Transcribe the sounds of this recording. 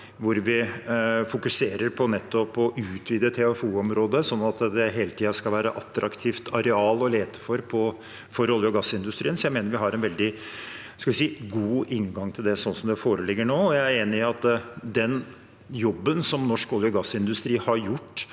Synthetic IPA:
ʋʊɾʋɪfʊkʉseːɾəɾpʰɔnɛt̪ːɔpːɔʔʉːt̪ʰʋiːd̪ət̪ʰɛɑfuːɔmɾoːd̪əsɔnːɑt̪d̪ɛɦeːlət̪ʰiːɑskɑlʋæːɾəʔɑt̪ːɾɑkt̪ʰiːft̪ʰɑɾɛɑːlɔleːt̪ə̥fɔɾpʰɔ | fɔɾɔljəɔɡɑsːɪnd̪ʉst̪ɾiːənsɔjæɪmeːnəɾʋɪɦɑɾɛnʋɛld̪ɪ | ɑskɑʋɪsiːɡuːɪŋɡɑŋt̪ʰɪld̪ɛsɔnsɔmd̪ɛfoːɾəlɪɡːəɳoːɔjæɪæɾeːnɪɑt̪d̪ɛn | jɔbːənsɔmnɔʂkɔljəɔɡɑsɪnd̪ʉst̪ɾiːhɑɾjʊʈː

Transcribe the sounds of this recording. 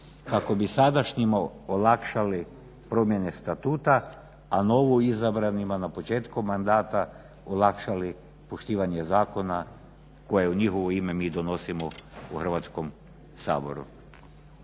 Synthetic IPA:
kako̞bisad̪aʃɲimaolˠakʃali | pɾo̞mje̞ne̞st̪at̪uːt̪aː | noʋuizabɾanimanapot͡ʃeːt̪komːand̪aːt̪a | olakʃali | poʃt̪iːʋaɲezaːko̞na | ko̞jeuɲixoʋoimemiːd̪ono̞simouxr̩ʋat̪sko̞m | sa̰ːbo̞̰ɾṵ

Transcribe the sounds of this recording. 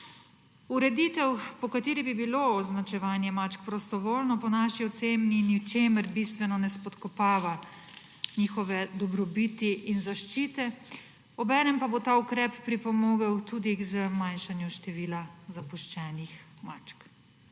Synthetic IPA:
uɾɛd̪it̪ɛwpɔkat̪eːɾibibiloɔznat͡ʃɛʋaːnjɛmat͡ʃkpɾɔst̪ɔʋoːlnɔpɔnaːʃiɔt̪seːmniniwt͡ʃeːməɾbist̪ʋɛnɔnɛspɔt̪kɔpaːʋa | niːxɔʋɛd̪ɔbɾɔbit̪iʔinzaʃt͡ʃiːt̪ɛ | ɔbɛːnɛmpabot̪aːukɾɛpːɾipɔmoːɡawt̪ud̪iɡzəmanʃanjuʃt̪ɛʋiːlazapuʃt͡ʃɛːnixmat͡ʃk

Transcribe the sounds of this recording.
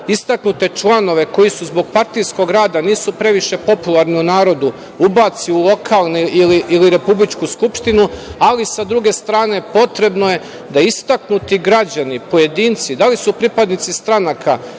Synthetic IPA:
ist̪aknut̪e̞t͡ʃlˠano̞ʋe̞ko̞jisuzbo̞ɡpaɾt̪ijsko̞ɡɾaːd̪aniːsupɾe̞ʋiʃe̞po̞pulˠaɾniunaːɾo̞d̪u | ubat̪siulˠo̞kʰalˠniiliʔiliɾe̞publit͡ʃkuskupʃt̪inualisad̪ɾuɡe̞st̪ɾaːne̞po̞t̪ɾe̞bnoje̞ | d̪aist̪aknut̪iɡɾad͡ʑanipo̞je̞d̪iːnt̪sid̪alisupɾipad̪nit̪sist̪ɾanakʰa

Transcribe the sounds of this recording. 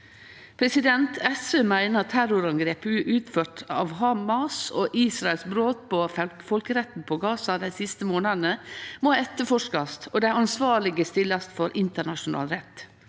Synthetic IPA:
pʰɾɛsɪd̪ɛnt̪ʰɛsømæɪnəɑt̪ʰːæɾʊɾɑŋɡɾeːpʉʔʉːt̪føːʈɑ̰ːʋhɑmɑsoʔiːsɾɑɛlsbɾoːt̪̚pofɔlkəɾɛt̪n̩pʰoɡɑːsɑd̪æɪsɪst̪əmoːnɑnəmoɛt̪ːəfɔʂkɑst̪od̪æɪɑnsʋɑːɭɪɡəst̪ɪlɑst̪fɔɾʔɪnt̪əɳɑʃʊnɑ̰ːlɾɛt̪ː

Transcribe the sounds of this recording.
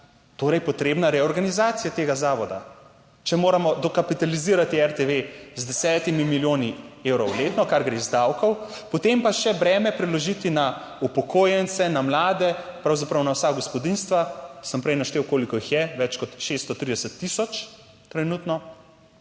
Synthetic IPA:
t̪oːɾɛjpɔt̪ɾeːbnaɾɛɔɾɡanizaːt̪sijat̪eːɡazaːʋɔd̪a̰ | t͡ʃɛmoːɾamɔd̪ɔkapit̪aliziːɾat̪iɛɾt̪eʋezd̪ɛsɛːt̪imimiljoːniewɾɔwleːt̪nɔkaɾɡɾeːzd̪awkɔwpɔt̪empaʃɛbɾɛːmɛpɾɛlɔʒit̪ina | upɔkʰoːjɛnt̪sɛnamlaːd̪ɛpɾawzapɾɐwnawsaɡɔspɔd̪inst̪ʋasəmpɾɛjnaʃt̪ewkoːlikɔixjɛʋɛt͡ʃkɔt̪ʃest̪ɔt̪ɾid̪ɛsət̪ːisɔt͡ʃ | t̪ɾɛnut̪nɔ

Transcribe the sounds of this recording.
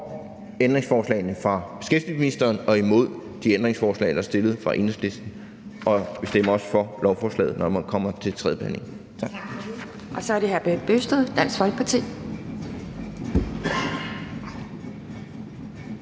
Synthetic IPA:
end̥ʁeŋsfɒːslɛ̰ɪnəfʁɑ̈b̥e̝sɡ̥efd̥isminisd̥ɐːnɒ̽imo̝ð̞̰ˠ | d̥iend̥ʁeŋsfɒːslɛ̰ɪd̥æɐsd̥e̝lð̩ˠfʁɑ̈ʔe̝nəsle̝sd̥n̩ | ʔɒ̽be̝sd̥em̰ɐɒ̽sə̥fɒ̽lɒʊfɒːslɛ̰ːð̩ˠnɒmænkʰɒ̽m̰ɐt͡sʰe̝lt͡sʰʁɛðˠə̥b̥ehæ̰ne̝ŋ | ʔɒ̽sɒæɐɾ̥e̝ɦæb̥b̥øsd̥ð̩ˠd̥æn̰sfɒ̽lɡ̥əpʰɑt͡sʰḭ

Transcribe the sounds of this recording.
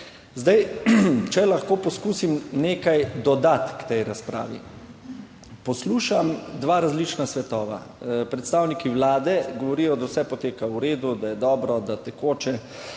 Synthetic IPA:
zd̪ajt͡ʃɛlaxkoːpɔskuːsimneːkajd̪ɔd̪at̪kt̪ɛjɾaspɾa̰ːʋḭ | pɔsluːʃamd̪ʋaːɾazlit͡ʃnasʋɛt̪ɔːʋa̰ | pɾɛt̪st̪aːwnikiwlaːd̪ɛɡɔʋɔɾijɔd̪awsɛpɔt̪eːkauɾeːd̪ud̪ajɛd̪ɔːbɾɔd̪at̪ɛkoːt͡ʃɛ

